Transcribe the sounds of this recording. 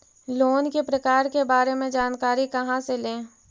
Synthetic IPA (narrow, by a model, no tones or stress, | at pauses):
loːnkepɾɐkaːɾkebaːɾemẽd͡ʒaːnkaːɾikɐɦãselẽː